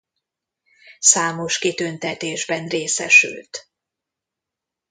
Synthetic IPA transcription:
saːmo̞ʃkit̪ønt̪ɛt̪eːʒbɛnreːsɛʃy̰lt̪

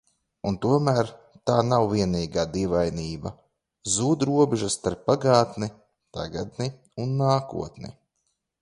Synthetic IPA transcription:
unt̪uɔmæːɾ | t̪aːnawviɛniːɡaːd̪ivajniːba | zuːd̪ɾuɔbɛʒast̪aɾpːaɡaːt̪ni | t̪aɡad̪ni | unːaːkṵɔt̪nḭ

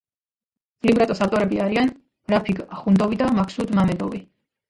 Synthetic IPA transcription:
limbɾat̪ʼɔsaft̪ʼɔɾɛbiaɾian | ɾapʰiɡaχund̪ɔvid̪amakʰsud̪mamɛd̪ɔvi

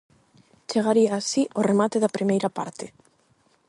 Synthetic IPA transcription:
t͡ʃeɣ̞aɾiaːsiʔoremat̪eðapɾimejɾapa̰ɾt̪e

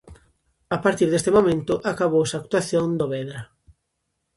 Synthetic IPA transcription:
apaɾt̪iɾðest̪emomẽnt̪ʊʔakaβowsaːk̚t̪waθjõnd̪oβɛðɾɐ

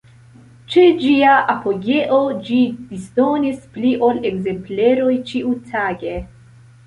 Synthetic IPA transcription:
t͡ʃed͡ʒiaʔapo̞ɡe̞ʔod͡ʒidisdo̞nispliʔo̞leɡze̞mple̞ɾo̞jt͡ʃiutʰaɡe̞

